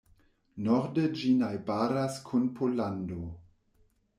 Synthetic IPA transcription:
nɔɾded͡ʒinajbaɾaskʰunpʰolando

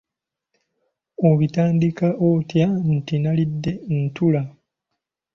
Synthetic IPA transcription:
oβitaːndikaʔotjan̩tinalidːe̞ntula

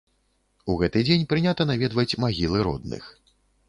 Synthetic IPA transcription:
uɣɛt̪ɨd͡zʲenʲpɾɨnʲat̪ɐnavʲɛd̪vɐt͡sʲmaɣʲilˠɨɾɔ̰d̪nɨ̰x

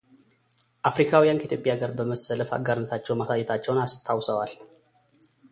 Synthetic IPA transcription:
ʔafɾikʰawijankʰəit̪jopʼjaɡəɾbəməsələfa̰ɡaɾnət̪ʰat͡ʃːɛwmasʰajɛt̪ʰat͡ʃːɛwnast̪ʰawsəwal

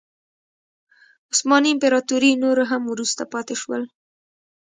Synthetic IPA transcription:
ʊsmɑniɪmpeɾɑt̪uɾinoɾoɦamwɾust̪apɑt̪eʃwəl

